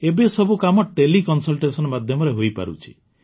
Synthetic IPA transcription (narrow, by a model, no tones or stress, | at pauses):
ebesɔbʱukamɔʈelikɔnsɔlʈesɔnɔmad̪ʱjɔmɔɾeɦojpa̰ɾṵt͡ʃʰi̥